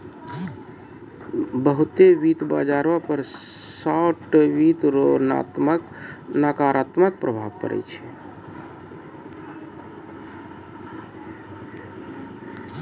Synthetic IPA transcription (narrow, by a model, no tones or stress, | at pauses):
bəɦut̪eʋit̪ba̰d͡ʒaɾʋapəɾsaʈwit̪ɾona̰t̪mək | nakaɾat̪mək̚pɾəbʱabkə̰ɾɛ̰t͡ʃʰɛ